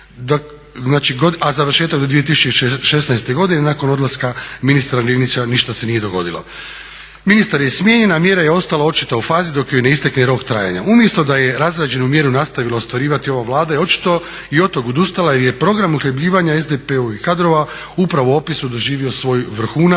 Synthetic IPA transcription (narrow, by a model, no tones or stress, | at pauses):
d̪ | znaːt͡ʃiɡoazaʋr̩ʃe̞ːt̪aɡd̪od̪ʋije̞t̪isut͡ʃe̞iʃe̞snajst̪eɡo̞d̪inenako̞no̞d̪laskaminist̪aɾalenit̪sʲaniʃt̪ase̞nije̞d̪o̞ɡo̞̰d̪ilˠo̰ | minist̪aɾjesmje̞ɲe̞namje̞ɾaje̞o̞st̪alao̞t͡ʃi̥t̪aufaːzid̪o̞kjojne̞ist̪ekneɾo̞kt̪ɾa̰ːja̰ɲa̰ʔumjest̪od̪aje̞ɾazɾad͡ʒe̞numje̞ɾunast̪aʋilaost̪ʋaɾiːʋat̪io̞ʋaʋlˠaːd̪ajot͡ʃi̥t̪o̞ | io̞t̪oɡod̪ust̪alajeɾje̞pɾo̞ɡɾamuxʎebʎiːʋaɲaezd̪epeuikad̪ɾo̞ʋa | upɾaʋoo̞pisud̪o̞ʒiːʋio̞sʋo̞jʋrɾ̩xuːna